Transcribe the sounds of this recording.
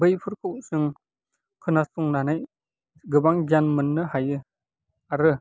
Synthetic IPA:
bɯjpʰɯɾkʰɯwsɯŋ | kʰɯnasuŋnanɯj | ɡɯbaŋd͡ʒanmɯnːɯhajɯ | aɾɯ

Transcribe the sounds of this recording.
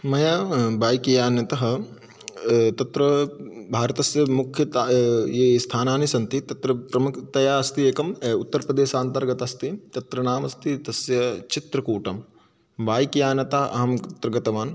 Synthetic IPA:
mɐjaːbaːjkijaːnjɐt̪ɐɦɐ̆ | t̪ɐt̪ɾɐbʱaːɾɐt̪ɐsjɐmukʰjɐt̪jeːst̪ʰaːnaːnisɐnt̪it̪ɐt̪ɾɐpɾɐmukt̪ɐjaːɐst̪ieːkɐmut̪ːɐɾɐpɾɐd̪eːʃaːnt̪ɐɾɡɐt̪ast̪it̪ɐt̪ɾɐnaːmɐst̪it̪ɐsjɐt͡ʃit̪ɾɐkuːʈɐm | baːjkijaːnjɐt̪aɦɐʔɐ̰ɦɐmt̪ɾɐɡɐt̪ɐʋaːn

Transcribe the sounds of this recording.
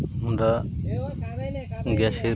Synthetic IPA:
ɦũnd̪aː | ɡaːʃe

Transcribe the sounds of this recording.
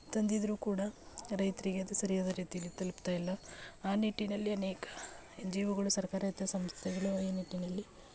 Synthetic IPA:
t̪ɐnd̪id̪ɐɾuːkuːɽɐɾɐjt̪ɐɾiɡeɐd̪usɐɾijaːd̪ɐɾiːt̪ijɐlːit̪ɐlupt̪aːjilːɐaːniʈːinɐlːiɐnɛːkɐ̥ | d͡ʒiːʋɐɡɐɭusɐɾkaːɾɐɐt̪jɐsɐmst̪ʰɛɡɐɭuiːniʈːinɐlːi

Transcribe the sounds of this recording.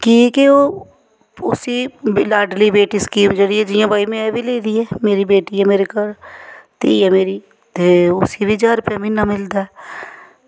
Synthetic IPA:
kikeo | ʊsilaːɾɖlibeːʈiskiːmd͡ʒəɽiɛd͡ʒiːãbaːimẽɛbʱileːd̪iɦɛːmeːɾibeːʈiɦɛmeːɾekəɾt̪ḛɛmeːɾi | t̪eʊsibʱid͡ʒaːɾpɛminamɪld̪aɛ

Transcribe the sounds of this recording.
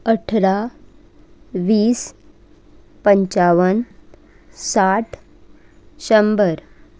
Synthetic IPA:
əʈʰɾa | ʋiːs | pəɲt͡ɕaʋən | saʈʰ | ɕəmbəɾ

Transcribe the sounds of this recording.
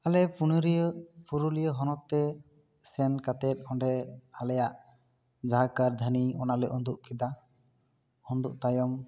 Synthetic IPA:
alɛpunɾipuɾulijəɦɔnɔt̪ːɛ | sɛnkat̪ɛt̪̚ˀhɔɳɖɛhalɛjaʔ | d͡ʒaɦakaɾd̪ʱaniɔnalɛʔɔnd̪uʔkid̪a | hɔnd̪uʔt̪ajɔm

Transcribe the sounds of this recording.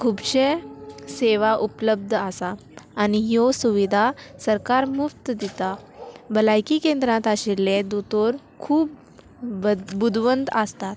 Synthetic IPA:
kʰubɕeseʋaʔupləb̚d̪ʱəsaː | niɦjosuʋid̪ʱasəɾkaɾmuft̪d̪it̪abəlajkikẽnd̪ɾãt̪aɕilːed̪ut̪oɾ | kʰuːp̚ | bud̪ʱʋənd̪əst̪at̪

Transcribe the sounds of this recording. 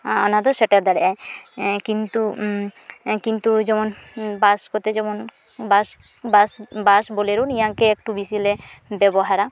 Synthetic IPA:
ɔ̰nad̪ɔsɛʈeɾd̪aɽɛʔajkint̪u | kint̪ud͡ʒɔmɔnbaskot̪ed͡ʒɔmɔn | bas | basbasboleɾunijaŋkeek̚ʈubisilebɛbɔɦaɾa

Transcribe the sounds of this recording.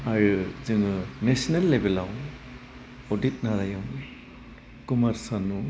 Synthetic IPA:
aɾɯzɯŋɯnesinelːebelaw | odit̚naɾajawm | kumaɾsanu

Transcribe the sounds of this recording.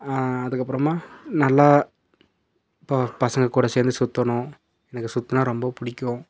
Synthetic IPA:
aːɐðɯkːɐpːɯɾɐmaːnɐlːa | ppɐsɐŋɡɐkːuːɽɐseːɾnd̪ɯsʊt̪ːɐɳʊ̃ | ɛnɐkːɯsʊt̪ːɐnãːɾɔmbɐpʊɽɪkʲːʊ̃

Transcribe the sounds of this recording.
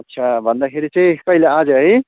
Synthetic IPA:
ʌtːsʰabʱʌnd̪akʰeɾit͡sãĩkʌilead͡zʌɦʌj

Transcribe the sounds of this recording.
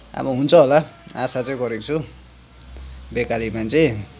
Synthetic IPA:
a̰bʌɦunt͡sʰʌɦolaasat͡sʌĩɡʌɾekt͡sʰu | bekalimant͡sʌj̃

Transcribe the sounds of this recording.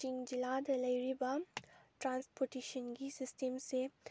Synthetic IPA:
ɪŋd͡ʒɪlaːd̪ɐlɐɪɾibaʈɾãːnspoɾʈeːʃənɡisɪsʈəmse

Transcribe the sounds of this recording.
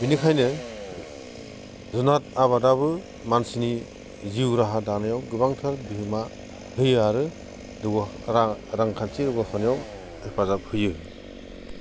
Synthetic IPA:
binikʰajnɯ | zunat̚aβadabɯ | mansini | ziwɾaɦadanɯjawɡɯbaŋtʰaɾbiɦɯma | hɯjaɾɯ | dɯ | ɾaŋkʰansiɾɯɡasʰanijaw | epʰazap̚hɯjɯ

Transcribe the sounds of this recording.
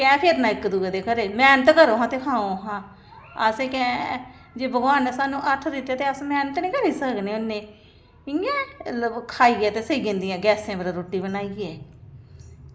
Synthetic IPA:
kɛ̃ːpʰeːɾnãːɪkːd̪uːeːd̪eːkəɾeːmɛːnət̪kəɾõːɦãːt̪eːkʰãːõːɦãː | ə̰sẽːkɛ̃ː | d͡ʒeːbəɡaːnsaːnũːʔəʈʰd̪ɪt̪ːeɛːt̪eːəsmɛːnət̪nĩːkəɾiːsəknẽːʊnːẽː | ɪ̃ãːkʰaːiːɛːt̪eːsəɡẽːnd̪ɪjãːɡɛːsẽːbəɾãːɾoːʈːiːbənaːiːɛː

